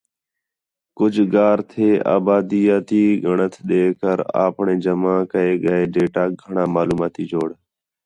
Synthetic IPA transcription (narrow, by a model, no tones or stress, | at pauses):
kʊd͡ʒʱɡaːɾt̪ʰeːʔa̰ːbaːd̪iːjaːt̪iːɡʱəɳət̪ʰɗ̪eːkəɾa̰ːpɳẽːd͡ʒəmãːkəeːɡəeːɖeːʈaːɡʱəɳãːmaːluːmaːt̪iːd͡ʒoːɽ